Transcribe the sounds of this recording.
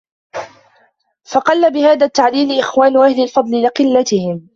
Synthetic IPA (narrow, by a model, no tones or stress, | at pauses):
fɑqɑlːabɪhaːðat̪ːaʕliːlɪʔɪxwaːnʊʔahlɪlfɑd̪ˤlɪlɪqɨlːat̪ɪhɪm